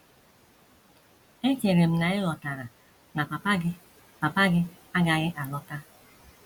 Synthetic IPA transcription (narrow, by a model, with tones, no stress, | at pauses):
e˦t͡ʃe˨ɾe˨m̩˦na˨ɪ˦lɔ˨ta˨ɾa˨ | na˨pa˨pa˦ɡɪ˦ | pa˨pa˦ɡɪ˦ | a˦ɡa˨ɣɪ˦ʔa˨lɔ˦ta˦